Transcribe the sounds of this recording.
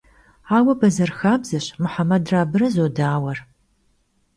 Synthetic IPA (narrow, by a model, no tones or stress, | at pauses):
aːwɐbɐzɐrxaːbzɨɕmʊħamɐdraːbɨɾɐzoːdaːwɐr